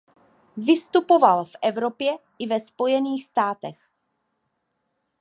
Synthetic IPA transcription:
vɪst̪upo̞valfʔɛvɾo̞pjɛʔɪvɛspo̞jɛniːxst̪aːt̪ɛx

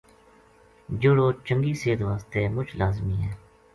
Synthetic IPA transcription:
d͡ʒʊɽoːt͡ʃəŋɡiːseːd̪ʋaːst̪eːmʊt͡ʃʰlaːzmiːɦɛː

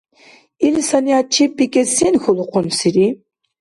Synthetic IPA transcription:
ilsaniat͡ʃʰipːikʼɛsinxɔluqʰʊnsiɾi

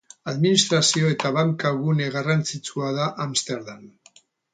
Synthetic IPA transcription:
aðminist̪ɾasio̞e̞t̪aβaŋkaβune̞ɣarant͡sit͡suaðaʔamst̪e̞ɾðan

